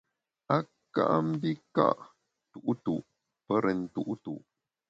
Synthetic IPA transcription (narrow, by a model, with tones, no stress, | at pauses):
a˦ | ka̰˦ʔa˦m̩˦bi˦ka̰˦ʔ | tu˨ʔtu˨ʔ | pə˦ɾə˨n̩˨tu˦˨ʔtu˨ʔ